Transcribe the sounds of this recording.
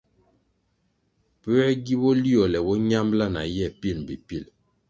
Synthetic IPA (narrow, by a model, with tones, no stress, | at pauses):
pə˦ɛ˦ɡi˦wɔ˦li˦ɔ˨lɛ˨wɔ˦ɲa˦mbla˦na̰˨jɛ˦˨pi˦˨lbi˨pi˦˨l